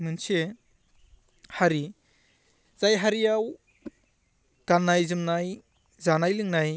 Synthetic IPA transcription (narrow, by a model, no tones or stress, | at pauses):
mɯnse | haɾi | z̥ajɦaɾijaw | ɡ̥anːajzɯmnaj | zanajlɯŋnaj